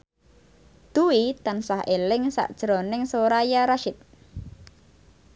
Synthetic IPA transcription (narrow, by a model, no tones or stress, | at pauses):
d̪̥uwit̪ansaɦelɪŋsa̰ʔd̥ʒ̥ɾonɪŋsoɾajaɾaʃɪt̪̚